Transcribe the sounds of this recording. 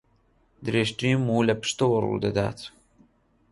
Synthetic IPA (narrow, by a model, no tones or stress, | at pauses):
d̪ɨɾeːʃt̪ɾiːmuːlɐpɨ̥ʃt̪ɐwɐrṵd̪ɐd̪a̰ːt̪